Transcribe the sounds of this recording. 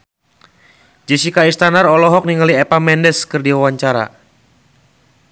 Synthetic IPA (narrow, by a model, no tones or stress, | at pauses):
d͡ʒɛsikaist̪anarɔlɔɦɔk̚niŋaliɛpamɛndɛskɨrdiwawaɲt͡ʃaɾa̰